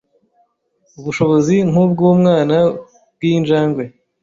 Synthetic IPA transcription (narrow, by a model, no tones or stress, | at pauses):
uβuʃo̞βoziŋ̥ub̚ɡuːmŋaːna | b̚ɡiːnʒaːŋɡwe̞